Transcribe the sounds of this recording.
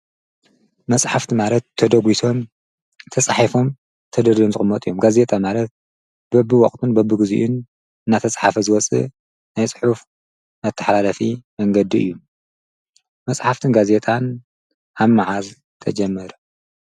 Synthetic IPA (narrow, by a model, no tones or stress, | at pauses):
mɐsʼħaft̪ʰimalɐt̪ʰːɐd̪ɐɡʷisʰo̞m | t̪ʰɐsʼaħifo̞m | t̪ʰɐd̪ɐd̪omzɨxʼɨmːɐt̪ʼijomɡaze̞t̪ʼʰamalɐt̪̚ | bɐbɨwɔχʼt̪ʰɨnbɐbɨɡɨzṵʔun | ɨnːat̪ʰɐsʼħafɐzɨwɔt͡sʼɨ̰ | najt͡sʼħuf | mɐt̪ʰːɐħlalɐfimɐŋɡɐd̪iɨjːu | mɐsʼħaft̪ʰɨnɡaze̞t̪ʰʼan | ʔaβmaʕaz | t̪ʰɐd͡ʒɐmːɐɾu